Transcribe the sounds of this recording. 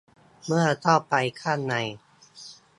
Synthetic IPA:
mɯ˥˩ɐt̪ʰɔ˥˩wpa˧jkʰaː˥˩nːa˧j

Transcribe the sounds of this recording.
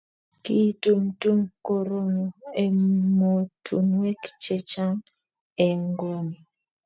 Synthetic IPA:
ki˦tu˦mtu˦mko˦ɾo˦no˨e˨mo˨tʰṵ˨nwɛ˦kt͡ʃe˦t͡ʃa˦ŋ | ɛ˨ŋɡo˦ni˨

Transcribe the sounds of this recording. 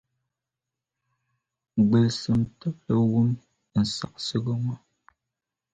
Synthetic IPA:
ɡ͡bə˨sɨ˨mtɔ˦p̚lə˨wu˦m | n̩˨sa̰˨k̚sə˦ɡə˦ŋa˦

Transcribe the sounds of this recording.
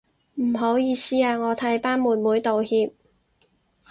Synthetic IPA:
m̩˨˩ɦo˨˥wjiː˨˧siː˥aː˧ŋɔː˨˧t̪ʰɐ˨˥jpaː˥nmuː˨˩n̚muː˨˥jt̪o˨whiː˧p̚

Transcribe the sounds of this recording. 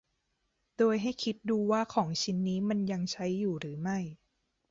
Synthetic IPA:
doː˧jɦa˥˩jkʰi˦˥t̪̚duː˧waː˥˩kʰɔː˩˦ŋt͡ɕʰi˦˥nːiː˦˥ma˧nja˧ŋt͡ɕʰa˦˥jːuː˨˩ɾɯː˩˦ma˥˩j

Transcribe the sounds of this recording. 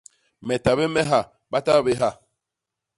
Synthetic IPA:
mɛ˨ta˨βe˦mɛ˦ɦa˦˨ | ɓa˦ta˦˨be˦ɦa˦˨

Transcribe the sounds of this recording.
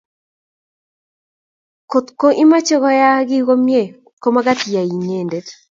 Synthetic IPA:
ko˨t̪ko˦ʔi˦ma˦t͡ʃe˦kɔ˦ja˦ɡɪ˦ɡo˦mje˦˨ | ko˦ma˦ɡa˦tja˨i˨ɲe˨nde˨t

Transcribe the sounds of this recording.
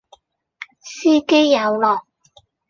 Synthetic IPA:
siː˥ke˥jːɐ˨˧wlɔː˨˩k̚

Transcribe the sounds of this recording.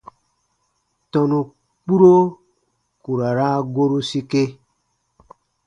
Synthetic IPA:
tɔ˨nũ˨ | k͡pu˦ɾo˦ | ku˨ɾa˨ɾa˦ɡo˦ɾu˦si˦ke˦

